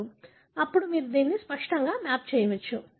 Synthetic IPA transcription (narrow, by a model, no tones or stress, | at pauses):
u | ɐpːuɽumiːɾud̪iːnːispɐʂʈɐŋɡaːmaːp̚t͡ʃɛːjɐʋɐt͡ʃːu